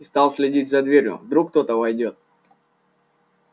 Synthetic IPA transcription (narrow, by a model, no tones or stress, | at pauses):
st̪ɑlˠsʲlʲɪdʲit̚ʲzɐd̪vʲeɾʲjʊ̰vd̪ɾukːt̪o̞t̪əvɐjdʲo̞t̪̚